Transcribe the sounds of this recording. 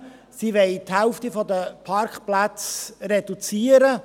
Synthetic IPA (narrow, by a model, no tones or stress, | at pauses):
siʋɛɪthɛlftifɔdəpʰɑɾkχplat͡sred̥ut͡siːəɾə